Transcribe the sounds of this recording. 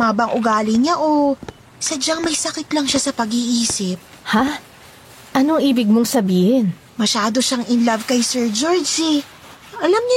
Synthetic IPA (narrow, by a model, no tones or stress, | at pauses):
maːbɐŋʔʊɡaːlɪɲaʔo | sɐd͡ʒaŋmɐjsɐkɪt̪lɐŋʃasɐpɐɡiʔiːsɪp̚ | ha | ʔɐnoŋʔiːbɪɡ̚moŋsɐbiːhɪn | mɐʃaːd̪o̞ʃaŋʔɪnlɐvkɐjsɛɹd͡ʒoɹd͡ʒɪ | ʔɐlamɲ